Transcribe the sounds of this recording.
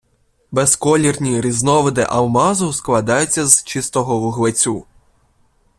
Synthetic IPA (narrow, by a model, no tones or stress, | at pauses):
beskɔlʲirnʲiɾʲiznɔʋɪd̪ɪ̰ʔɐwmɑzʊsklˠɐd̪ɑjʊt͡sʲːɐzt͡ʃɪst̪ɔɦɔwʊɦlˠet͡sʲu